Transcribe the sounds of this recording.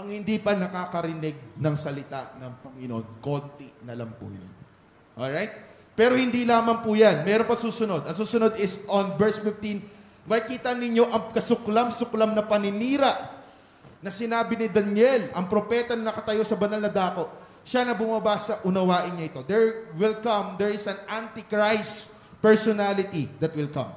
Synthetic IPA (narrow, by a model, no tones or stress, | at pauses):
ʔɐŋhɪnd̪ipɐnɐkaːkɐɾɪnɪɡ̚nɐŋsɐlɪt̪a̰ʔnɐŋpɐŋɪnoʔo̞nko̞nt̪ɪnɐlampṵjo̰n | ʔo̰ɾajt̪̚ | pɛːɾo̞hɪnd̪ilaːmɐmpujanmɛɾonpɐŋsuːsʊno̞d̪ɐŋsuːsʊno̞d̪ɪsʔonbɛɹsfɪft̪in | mɐjkiːt̪ɐnɪɲo̞ʔɐŋkɐsʊklamsʊklamnɐpɐnɪniːɾɐʔ | nɐsɪnaːbɪnɪd̪ɐnjɛlʔɐŋpɾo̞pɛt̪ɐnɐnɐkɐt̪ɐjo̞sɐbɐnɐlnɐd̪aːko̞ʔ | ʃanɐbʊmɐbasɐʔʊnɐwaːʔɪnɲɐʔɪt̪o̞d̪ɛɹwɪlkɐmd̪ɛɹɪsɐnant̪ikɹajs | pɛɹsonalɪt̪id̪ɐt̪̚wɪlkɐ̰̃m